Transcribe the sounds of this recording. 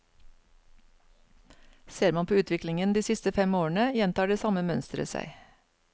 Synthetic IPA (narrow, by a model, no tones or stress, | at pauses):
seːɾmɑnpʰoːʉːt̪ʰʋɪklɪŋənd̪iːsɪst̪əfɛmoːəɳəjɛnt̪ɑːɖeːsɑməmœnst̪ɾə̰sæ̰ɪ